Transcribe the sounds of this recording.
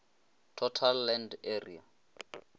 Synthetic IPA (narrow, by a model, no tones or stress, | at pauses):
tʰɔtʰalːɛnderḭa̰